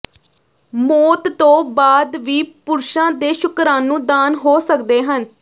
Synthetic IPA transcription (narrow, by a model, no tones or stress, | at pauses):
moːt̪t̪õːbaːd̪ʋiːpʊɾʃãːd̪eːʃʊkɾãːnũːd̪aːnɦoːsəkd̪eːɦən